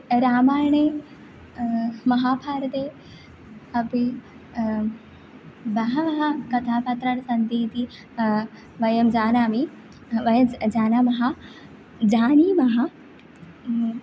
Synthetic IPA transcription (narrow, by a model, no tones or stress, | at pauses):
ɾaːmaːjɳe | mɐɦaːpʰaːɾɐd̪e | ɐbi | bɐɦɐmɐɦakɐt̪ʰaːpat̪ɾɐɽsɐnd̪iːt̪i | ʋɐjɐmd͡ʒaːnaːmi | ʋɐjɐd͡ʒaːnamɐɦa | d͡ʒaːniːmɐɦa